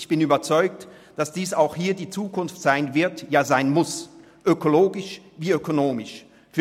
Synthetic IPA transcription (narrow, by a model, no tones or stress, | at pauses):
çb̥ɪnyːbɐt͡sɔʏk̚t | d̥asd̥iːsaʊxhiːɐdiːt͡suːkʊnftz̥aɪnvɪɐtjaːzaɪnmʊs | ʔøkoloːɡɪʃviːøkonoːmɪʃ | fyː